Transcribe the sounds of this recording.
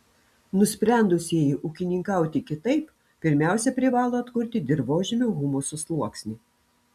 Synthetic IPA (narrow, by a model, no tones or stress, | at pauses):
nʊsʲpʲɾʲæˑnd̪ʊsʲiɛjɪʔʊkʲɪnʲɪŋkɐʊt̪ʲɪkʲɪt̪ɐɪp | pʲɪɾʲmʲæˑʊsʲɛpʲɾʲɪʋɑːlˠoːɐt̪kʊɾʲt̪ʲɪd̪ʲɪɾʋoːʒʲɪmʲoɣʊmusʊslˠuɔksʲnʲi